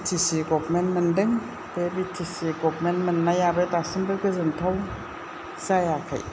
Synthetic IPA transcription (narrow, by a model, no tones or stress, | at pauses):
tʰisiɡɔbmenmɯndɯŋ | bebitʰisiɡɔbmenmɯnːajabetasɯnbɯkɯzɯntʰɔw | sajakʰa̰j